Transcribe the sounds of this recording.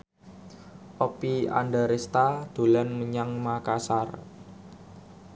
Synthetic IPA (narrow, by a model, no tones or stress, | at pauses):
ʔopia̰ndaɾest̪ad̪̥ṳlanməɲaŋmakasar